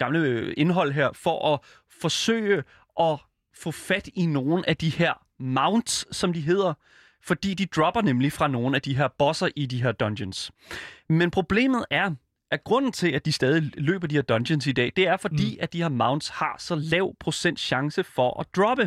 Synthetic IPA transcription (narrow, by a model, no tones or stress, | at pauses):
ɡ̥ɑ̈mləe̝nɦɒ̽l̰ɦeɐ̰fɒ̽ʔɒ | fɒ̽sø̰ːɪə | ʔɒ̽ | fɔ̰̽ːfæd̥ino̝ːn̩æd̥iheɐ̰ | mɑ̈ʊnd̥sːɒ̽md̥iɦe̝ːð̞̰ˠɐ | fɒ̽d̥ḭːd̥id̥ʁɒ̽b̥ɐnemlifʁɑ̈no̝ːn̩æd̥iɦe̝ɐ̰b̥ɒ̽sɐʔid̥iɦe̝ɐ̰d̥ɒnd̥əns | menpʰʁo̝b̥le̝̰ːmð̞̩ˠæɐ | ʔæɡ̥ʁɔ̽n̰n̩t͡sʰe̝læd̥isd̥ɛːð̞ˠilø̰ːb̥ɐdihe̝ɐd̥ɒ̽nɕənsid̥ɛ̰ːd̥e̝æɐfɒ̽d̥ḭːæd̥ihe̝ɐ̰mɑ̈ʊnd̥shɑ̈sɒ̽lɛʊ̰pʰʁo̝sen̰d̥ɕɑ̈ŋsəfɒ̽ʔɒd̥ʁɒ̽b̥ə